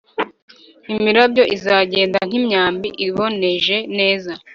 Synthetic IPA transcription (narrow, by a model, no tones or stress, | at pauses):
imiɾabjo̞ʔizaːɟe̞ːndaŋ̥imɲaːmbiʔiβo̞ne̞ʒe̞ne̞ːza